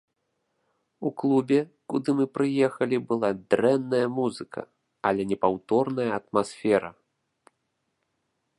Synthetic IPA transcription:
uklˠubʲɛkud̪ɨmɨpɾɨjɛxɐlʲibɨlˠad̪ɾɛnːɐjɐmuzɨkʰɐ̰ | alʲɛnʲɛpawt̪ɔrnɐjɐɐt̪masʲfʲɛɾɐ

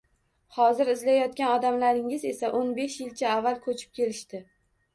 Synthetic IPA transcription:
hɒzɪɾɪzlajɒt̪̚kʲanɒd̪amlaɾɪŋɪze̞saʔonbe̞ʃjɪlt͡ʃʰaːvːalkʰɵt͡ʃʰɪ̥p̚kʲʰe̞lɪʃt̪ɪ

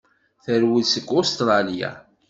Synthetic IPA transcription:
θəɾwisəkːost̪ɾˤɑlja̰

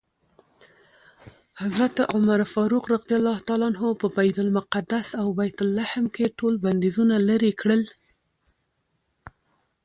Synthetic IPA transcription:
hazɾat̪ʊmaɾfɑɾuqɾaqd̪ijalːɑht̪ɑlɑnɦopəbajd̪ʊlmʊqad̪asawbajt̪ʊlːahɪmkeʈolband̪izunalaɾikɽəl

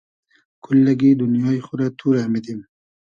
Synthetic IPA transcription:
kʰʊlːaɡid̪ʊnjɑixʊɾat̪ʰuɾamid̪im

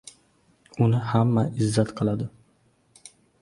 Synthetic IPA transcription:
ʊnɪhamːaɪzːat̪qʰɨlˠad̪ɪ

